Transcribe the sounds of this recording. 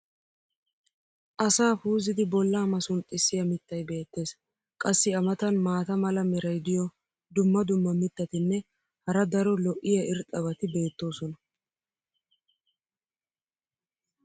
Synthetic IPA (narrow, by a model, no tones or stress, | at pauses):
ʔɐsaːfuːzɪd̪ɪbɔlːaːmɐsʊnt̪ʼːɪsːɪjɐmɪt̪ːɐjbe̞ːt̪ːe̞ːs | kʼɐsːɪɐmɐt̪ɐnmaːt̪ɐmɐlɐmɛɾɐjd̪ɪjɔ | d̪ʊmːɐd̪ʊmːɐmɪt̪ːɐt̪ɪnːɛ | hɐɾɐd̪ɐɾɔlɔʔɪjɐɪɾt̪ʼɐβɐt̪ɪbe̞ːt̪ːo̞ːsɔnɐ